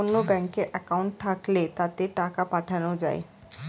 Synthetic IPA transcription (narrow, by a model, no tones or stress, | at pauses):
onːobɛŋkeɾʔɛkauɳʈ̚t̪ʰaklet̪at̪eʈakapaʈʰanod͡ʑa̰e